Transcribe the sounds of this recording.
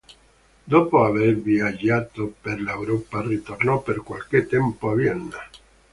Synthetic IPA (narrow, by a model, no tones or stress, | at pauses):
d̪opoaβeɾbjad͡ʒat̪opeɾlaewɾoparet̪oɾnopeɾkwalket̪empoaβjeɾna